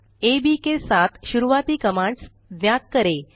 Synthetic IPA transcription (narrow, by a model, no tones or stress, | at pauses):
ebikesat̪ɕuɾuʋat̪iːkəmaɳɖs | d̪njat̪̚kəɾe